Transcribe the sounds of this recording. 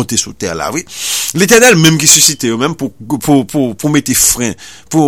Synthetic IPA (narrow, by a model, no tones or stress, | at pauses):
õt̪esut̪ɛʁla̰vwilet̪̬ɛʁnɛlmɛ̃mk̬isysit̪ejomɛ̃mpupupupumet̪efʁɛ̃pu